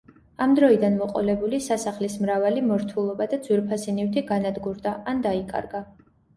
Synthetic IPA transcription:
amd̪ɾɔid̪anmɔqʼɔ̰lɛbulisasaχlismɾavalimɔɾt̪ʰulˠɔbad̪ad̪zwiɾpʰasinift̪ʰiɡanad̪ɡuɾd̪aand̪aikʼa̰ɾɡa

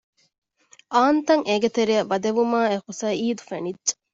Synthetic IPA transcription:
ʔaːnt̪ɐŋʔeɡet̪eɾiɐbɐd̪eʋumaːehusɐiːd̪u̥fenidd͡ʒe̥

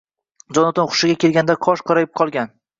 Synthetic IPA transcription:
d͡ʒɒnɒt̪ɪnχʰʊ̥ʃɪɡʲakʲe̞lɡʲand̪aqʰɒʃqʰɒɾajɪp̚qʰɒlˠɡʲan

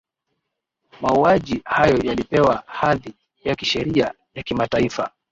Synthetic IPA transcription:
mauaʄihajɔjalipɛwahaði | jakiʃɛɾia | jakimataifa̰

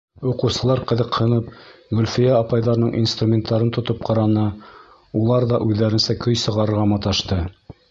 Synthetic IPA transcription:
uqɤ̆wsɤ̆lˠɑɾqɤ̆ðɤqhɤ̆nɤp̚ɡɵ̆lʲfijaːpɑjðɑɾnɤɴʔinst̪rumʲent̪ːɑɾɤnt̪ŏt̪op̚qɑɾɑnɤ | ulˠɑɾðɑʔʉðːæɾɘnsækɵjsɤ̆ʁɑɾɤ̆ɾʁɑmɑt̪ɑʃt̪ɤ

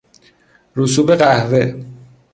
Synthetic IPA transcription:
ɾusuːbeɢæhve

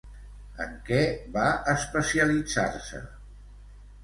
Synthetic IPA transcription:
ə̰ŋkɛβaəspəsiəlid͡za̰ɾsə̰

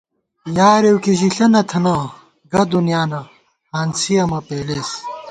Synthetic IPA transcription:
jaːɾewkiʑiɬɐnɐt̪ʰɐna | ɡɐd̪unijaːnɐ | haːnsijɐmɐpeːleːs

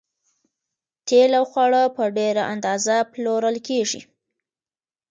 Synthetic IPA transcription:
t̪elawxwɑɽəpəɖeɾaʔand̪ɑzaploɾəlkeʐḭ

